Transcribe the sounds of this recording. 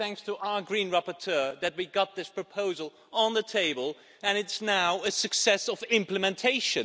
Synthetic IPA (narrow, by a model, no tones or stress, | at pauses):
θæ̃ŋkstʰəʔaʊə˞ɡɹĩnɹapə˞tʰɜ˞ðɨt̚wiɡɑt̪̚ðɪspʰɹ̥ɨpʰoʊzəl̩ˠ | ə̃nðɨtʰeɪbəlˠ | ɨ̃nɨtsnaʊɨsɨksɛsʌvɪ̃mplɨmɨ̃ntʰeɪʃɨ̃